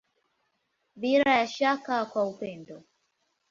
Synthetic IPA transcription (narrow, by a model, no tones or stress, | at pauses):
viɾajaʃakakwaupɛndɔ